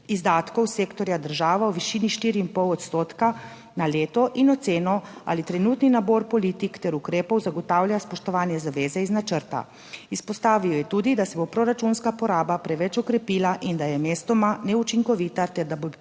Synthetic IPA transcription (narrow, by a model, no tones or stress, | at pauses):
izd̪aːt̪kɔwseːkt̪ɔɾjad̪əɾʒaːʋaɔʋiʃiniʃt̪iːɾiimpɔwɔt̪st̪oːt̪ka | naleːt̪ɔʔinɔt̪seːnɔa̰ːlit̪ɾɛnuːt̪ninaboɾpɔliːt̪ikt̪ɛɾukɾeːpɔwzaɡɔt̪aːwljaspɔʃt̪ɔʋaːnjɛzaʋeːzɛiznat͡ʃəɾt̪a̰ | ispɔst̪aːʋijɔjɛt̪uːd̪id̪asɛbopɾoɾat͡ʃunskapɔɾaːbapɾɛʋɛt͡ʃɔkɾɛpiːlaʔind̪ajɛmeːst̪ɔmanɛut͡ʃiŋkɔʋiːt̪at̪ɛɾd̪abo